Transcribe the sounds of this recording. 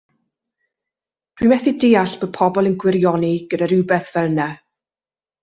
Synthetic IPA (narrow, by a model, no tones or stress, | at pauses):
d̥wimɛθideaɬb̥əpʰɔbɔlˠənɡwɪɾjɔniɡ̥ədaɾɪwbɛθv̥ɛlnɛ